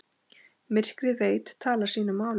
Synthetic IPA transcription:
mɪr̥kɾɪveːjt̪t̪ʰːaːlaɾ̥siːnʏmːaːwl

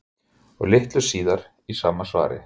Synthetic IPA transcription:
ɔɣlɪht̪lʏ̥siːðaɾ | isaːmasva̰ːɾɪ̰

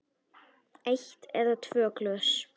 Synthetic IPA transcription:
ejçt̪ɛɾðat̪ʰvœːklœs

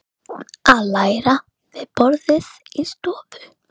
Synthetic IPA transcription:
aðlaːjɾa | vɪðpɔɾðɪðist̪ɔːðʏ

